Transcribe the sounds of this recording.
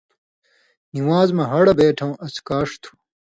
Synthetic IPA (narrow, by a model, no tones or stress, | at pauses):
niwaːzmɐɦɐɽɐbeːʈʰɐ̃wʔɐskaːʂt̪ʰu̥